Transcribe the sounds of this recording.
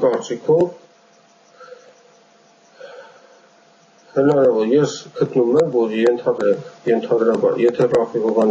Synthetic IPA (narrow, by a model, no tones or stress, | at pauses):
kɑɾt͡sikʰɔv | hənɑɾɑvɔɾjɛsɡət̪numɛmvɔɾjɛnt̪ʰɑd̪ɾɛkjɛnt̪ʰɑd̪ɾɑbɑ̰ɾjɛt̪ʰɛrɑfiʁɔvɑn